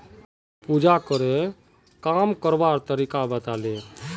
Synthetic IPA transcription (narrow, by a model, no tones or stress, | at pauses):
pud͡ʒakəɾe | kamkəɾbaɾt̪əɾikabət̪ale